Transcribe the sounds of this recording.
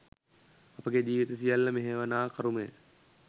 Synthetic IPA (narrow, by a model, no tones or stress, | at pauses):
ɐpəɡed͡ʒiːʋit̪əsijalːəmeɦeʋənaːkʰɐɾumejə̰